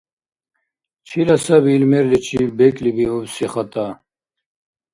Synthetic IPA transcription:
t͡ʃʰilasɐbilmɛɾlit͡ɕʰibɛkʼlibiubsiχat̪ʼa

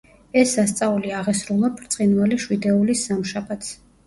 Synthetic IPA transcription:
ɛsːast̪sʼauliaʁɛsɾulˠapʰɾt̪sʼinvaliʃwid̪ɛulisːamʃabat̪ʰs

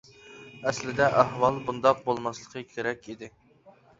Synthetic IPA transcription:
ɛslɪd̪ɛʔæɦwɑlˠbund̪ɑq̚bolˠmɑslˠəqʰəkʲʰeɾɛkʲid̪ɪ

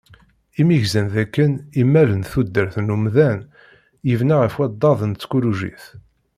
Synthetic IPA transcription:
imiʝzænðækːənimːælənθud̪ːəɾθnumðæn | jəvnaʁəfwæd̪ˤːɑðˤənt͡sːkuɾuʒḭθ

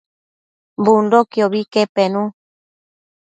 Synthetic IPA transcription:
mbundokioβikepenũ

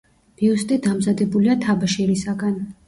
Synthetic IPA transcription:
b̥iust̪ʼid̪amzad̪ɛbuliat̪ʰabaʃɛɾisaɡan

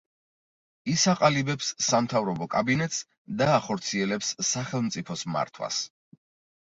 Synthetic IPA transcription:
isaqʼalibɛpsːamt̪ʰavɾɔbɔkʼabinɛt̪ʼs | d̪aːχɔɾt̪sʰiɛlɛpsːaχɛlˠmt̪sʼipʰɔsma̰ɾt̪ʰwa̰s

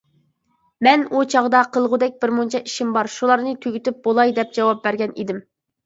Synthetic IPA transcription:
mɛnut͡ʃʰɑʁd̪ɑqʰəlˠʁʊd̪ɛk̚ʲbɪɾmunt͡ʃʰɑʔi̥ʃimbɑɾʃulˠɑɾnɨt̪ʰøɡʲyt̪yp̚bolˠɑjd̪ɛp̚d͡ʒɑwɑp̚bæɾɡʲɛnḭd̪ɪm

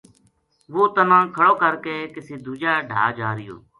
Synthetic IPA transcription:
ʋoːt̪ənãːkʰəɽoːkəɾkeːkɪseːd̪uːd͡ʒaːɖʱa̰ːd͡ʒaːɾɪjo̰ː

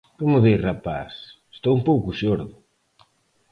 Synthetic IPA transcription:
komʊðirapa̰sest̪owumpowkʊʃoɾðʊ

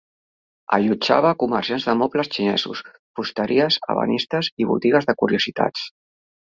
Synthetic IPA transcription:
ə̰ʎud͡ʒa̰β̞akuməɾsjanzðəmɔpləst͡ʃinɛ̰zṵs | pust̪əɾʔiəzə̰βə̰nist̪əziβṵt̪iɣəzðəkuɾiuzit̪a̰t͡s

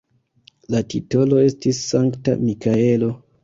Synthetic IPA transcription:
latito̞lo̞e̞stisːaŋkta̰mikae̞lo̞

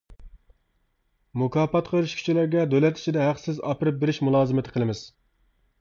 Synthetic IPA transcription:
mukʰɑːpɑt̪qʰəɾɪʃkʲʰy̥t͡ʃilæɾɡʲɛd̪ølɛt̪i̥t͡ʃʰid̪ɛɦæqsɪzɑ̰pʰɨɾɪp̚beɾɪʃmulˠɑːzɨmɪt̪ʰɪqʰəlˠɨmɪz̥

